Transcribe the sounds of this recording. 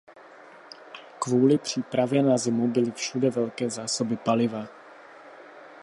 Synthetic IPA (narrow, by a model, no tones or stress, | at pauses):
kvuːlɪpr̝̥iːpɾavjɛnazɪmubɪlɪfʃudɛvɛlkɛːzaːsobɪpalɪva